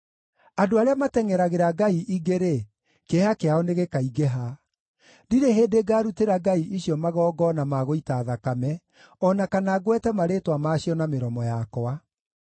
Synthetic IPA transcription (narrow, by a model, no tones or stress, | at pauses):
adoaɾeamatɛŋɛɾaɣeɾaɡaiʔiɡeɾe | kehakeaɔneɣekaiɡɛɦa | diɾeɦeːdeɡaːɾuteɾaɡaiʔiɕiɔmaɣɔːɡɔnamaɣoitaːðakamɛ | ɔnakanaɣwɛtɛmaɾeːtwamaɕiɔnameɾɔmɔjakɔa